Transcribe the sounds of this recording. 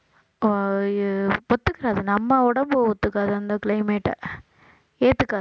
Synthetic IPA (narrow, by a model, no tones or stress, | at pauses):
ɔt̪ːɯkːɪɾaːðɯnɐmːɐɔɽɐmbɯɔt̪ːɯkːaːðɐɐnd̪ɐkɪɭɐɪmeːʈːɐ̰ | eːt̪ːɯkːaː